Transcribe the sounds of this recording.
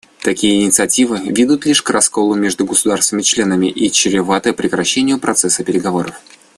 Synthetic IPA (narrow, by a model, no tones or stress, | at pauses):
t̪ɐkʲijəɪnʲɪt̪sɨɐtʲivɨvʲid̪ut̪lʲiʂkrɐsko̞lˠʊmʲe̞ʐd̪ʊɡəsʊd̪arst̪vnmʲɪt͡ɕlʲe̞nəmʲɪʔit͡ɕɪɾʲɪvat̪əpɾʲɪkɾɐɕːenʲɪjʊpɾɐt̪sɛsːəpʲɪɾʲɪɡɐvo̞ɾəf